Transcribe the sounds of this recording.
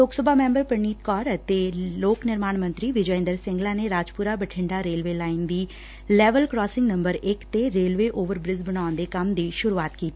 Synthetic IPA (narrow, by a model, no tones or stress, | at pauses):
loːksəbʱaːmẽːmbəɾpəɾɳiːt̪kɔːɾət̪eloːknɪɾmaːɳmə̃nt̪ɾiːʋɪd͡ʒəɪ̃nd̪əɾsɪ̃ŋɡlaːneɾaːd͡ʒpʊɾaːbəʈʰɪ̃ɳɖaːɾeːlʋeːlaːɪnd̪iː | lɛːʋəlkɾɔːsɪ̃ŋɡnə̃mbəɾɪkt̪eɾeːlʋeːʔoːʋəɾbɾɪzbənaːə̃nd̪eːkəmd̪iːʃʊɾuaːt̪kiːt̪i